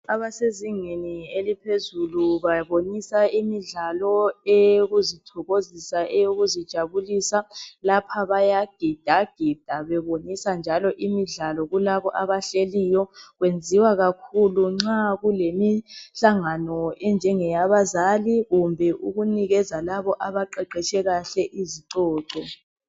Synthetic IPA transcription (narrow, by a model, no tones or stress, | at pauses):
aβaseziŋenielipʰezuluβaβonisaimiɮalɔejoɣuzitʰɔɣozisaʔɛjoɣuzid̥ʒ̥ʱaβulisalapʰaβajaɡ̥ʱid̥ʱaɡ̥ʱid̥ʱaβɛβonisand͡ʒʱalɔʔimiɮalɔɣulaβɔʔaβaɬelijɔɣwend͡zʱiwaɣakʰuluŋ͡ǁaɣulemiɬaŋanɔɛnd͡ʒʱɛŋɛjaβazaliɣumbʱɛʔuɣuniɣɛzalaβɔʔaβaǃɛǃɛt͡ʃʰʼɛɣaɬɛʔiziǀɔːǀɔ